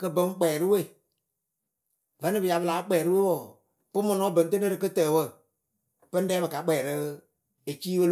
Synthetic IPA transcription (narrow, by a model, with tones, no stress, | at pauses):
kɨ˦bə˦ŋ˦k͡pɛː˨ɾɨ˦we˦˨ | və˨˦nɨ˦bɨ˨ja˨bɨ˧laː˨˦k͡pɛː˨ɾɨ˦we˦wɔ˨ | pɨ˦mɔ˧nɔ˦bə˨n˦t̬e˦ne˦ɾɨ˨kɨ˦tɛː˨wə˦˨ | pɨ˦n˦dɛː˦bɨ˨ka˨k͡pɛː˨ɾɨ˦ | e˨t͡ʃiː˦wə˦l